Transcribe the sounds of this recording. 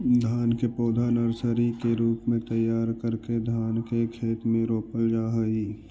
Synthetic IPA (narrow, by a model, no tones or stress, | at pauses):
d̪ʱaːnkepoːd̪ʱanəɾsəɾikeɾuːpmẽt̪əjaːɾkəɾked̪ʱaːnkekʰeːt̪mẽɾoːpəld͡ʒaːɦəiː